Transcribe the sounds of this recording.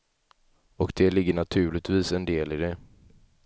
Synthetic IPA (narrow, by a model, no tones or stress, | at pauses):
ɔkd̪ɛlɪɡːəɳat̪ʰʉ̟ːlɪt̪viːsɛnd̪eːlɪd̪ɛ